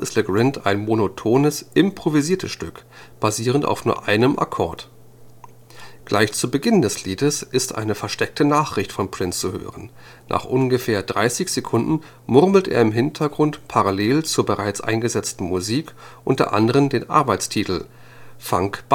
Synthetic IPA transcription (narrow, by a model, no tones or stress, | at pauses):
ɪstləɡʁɪntʰaɪnmonotʰoːnəsʔɪmpʁ̥oviziːɐtʰəsʃtʏk | b̥aziːʁ̞ənta̰ʊfnuːɐʔaɪnəmʔa̰kʰɔɐt | ɡ̥lʔaɪçt͡subəɡɪndɛsliːdəsʔɪstʔa̰ɪnəfɛɐʃtɛk̚tənaːχʁ̥ɪçtfɔnpʁ̥ɪnst͡suhø̰ːʁən | nʔa̰ːχʔʊnɡəfeːɐdʁaɪsɪçz̥ekʰʊndn̩ | mʊʁml̩tʔḛːɐɪmɦɪntʰɐɡʁʊntpʰaʁaleːlt͡suːɐbəʁaɪt͡sʔa̰ɪnɡəzɛt͡stn̩muziːkʔʊntɐ̰ʔa̰ndəʁ̞əndeːnʔa̰ɐbaɪt͡stʰiːtl̩ | fa̰ŋkb̥